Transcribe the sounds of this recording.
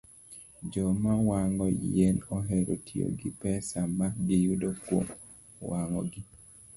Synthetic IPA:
d͡ʒɔmawaŋɔjenɔɦɛɾotʰio̰ɡipɛsamadijudokwo̰m | waŋɔ̰ɡi

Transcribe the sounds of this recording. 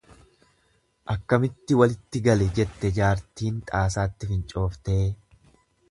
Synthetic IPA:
ʔɐkːɐmɪt̪ːɪwɐlɪt̪ːɪɡɐlɛd͡ʒɛt̪ːɛd͡ʒaːɾt̪iːnt̪ʼaːsaːt̪ːɪfɪnt͡ʃʼo̞ːft̪eː

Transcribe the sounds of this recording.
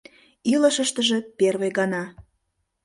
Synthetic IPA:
ilə̆ʃə̆ʃt̪ə̆ʒĕperβejɣɑnɑ

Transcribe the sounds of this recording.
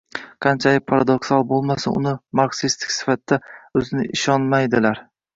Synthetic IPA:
qʰɑnt͡ʃʰalɪk̚ʲpʰaɾad̪oksalˠbolˠmasɪnʊ̰nɪmaɾksist̪ʰɪ̥kʲsɪ̥fat̪ːaɵzɪnɪʔɪʃɒnmajd̪ɪlaɾ

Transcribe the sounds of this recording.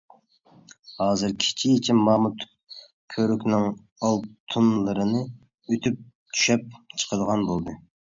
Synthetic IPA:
hɑːzɨɾkʲʰi̥t͡ʃʰiit͡ʃʰimɑmut̪ʰ | kʲʰøɾykʲnɪŋ | ɑlˠt̪ʰunlˠɨɾɨnɨ | øt̪ʰyp̚ | t̪ʰy̥ʃɛp̚t͡ʃʰə̥qʰəd̪əʁɑnbolˠd̪ɨ

